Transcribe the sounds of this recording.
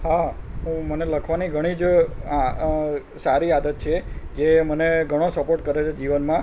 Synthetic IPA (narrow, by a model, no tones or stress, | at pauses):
ɦaɦũməneləkʰʋaniɡʱəɽ̃id͡ʒ | saɾiad̪ət̪̚t͡ʃʰed͡ʒeməneɡʱəɽ̃osəpoʈkəɾet͡ʃʰed͡ʒiʋənmã